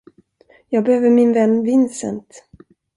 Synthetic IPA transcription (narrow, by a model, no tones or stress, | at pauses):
jɑːɡ̚bɛhøːvəɾmɪnvɛnːvɪnːsɛ̰nt̪